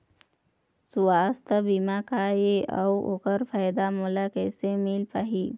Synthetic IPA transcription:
suaːst̪əbimakajeə̰wo̰kəɾpʰajd̪amulakɛsemilpaɦi

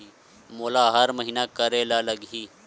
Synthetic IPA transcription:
i | moːlaːɦɐɾməɦiːnakɐɾeːlalɐɡɦiː

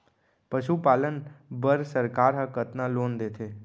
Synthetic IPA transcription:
pəʃupaːlənbəɾsəɾkaːɾɦə̃kət̪naloːnd̪eːt̪ʰeː

